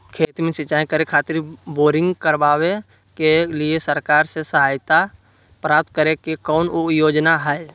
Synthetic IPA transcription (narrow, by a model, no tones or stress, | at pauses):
kʰeːt̪mẽsɪt͡ʃaːẽkəɾekʰaːt̪ɪɾboːɾɪ̃ŋɡkəɾbaːwe | keliesəɾkaːɾsesəɦaːjt̪a | pɾaːp̚t̪̚kəɾekekɔːnjoːd͡ʒnaɦɛe